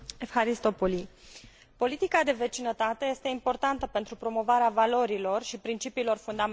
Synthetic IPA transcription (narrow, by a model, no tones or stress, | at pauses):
efhaɾist̪o̞poli | po̞lit̪ikad̪e̞ve̞t͡ʃinət̪at̪e̞je̞st̪e̞impo̞rt̪ant̪əpe̞nt̪ɾupɾo̞mo̞vaɾeavalo̞ɾilo̞rʃipɾint͡ʃipiːlo̞rfund̪am